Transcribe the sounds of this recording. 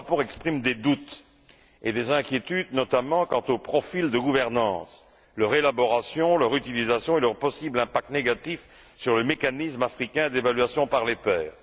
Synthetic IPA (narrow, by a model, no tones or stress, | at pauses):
pɔʁɛkspχimd̪ed̪ut̪ | ed̪ezɛ̃kʲjet̪yd̪nɔt̪amɑ̃kɑ̃t̪opχɔfild̪əɡuvɛʁnɑ̃ːs | lœʁelabɔʁasjɔ̃lœʁyt̪ilizasjɔ̃elœʁpɔsiblɛ̃pak̚t̪neɡat̪if | syʁləmekanismafχikʲɛ̃d̪evalɥasjɔ̃paʁlepɛːʁ